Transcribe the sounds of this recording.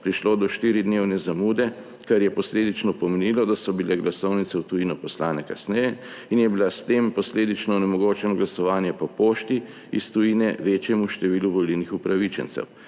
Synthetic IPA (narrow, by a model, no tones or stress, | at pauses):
pɾiʃloːd̪ɔʃt̪iːɾid̪newnɛzamuːd̪ɛ | kaɾjɛpɔsleːd̪it͡ʃnɔpɔmenilɔd̪asɔbilɛɡlasɔwnit̪sɛwt̪ujinɔpɔslaːnɛkasnɛjɛ | injɛbilast̪empɔsleːd̪it͡ʃnɔːnɛmɔɡoːt͡ʃɛnɔɡlasɔʋaːnjɛpɔpoːʃt̪i | ist̪ujinɛʋeːt͡ʃjɛmuʃt̪ɛʋiːluʋɔlilnixupɾaʋit͡ʃɛ̰nt̪sɛ̰w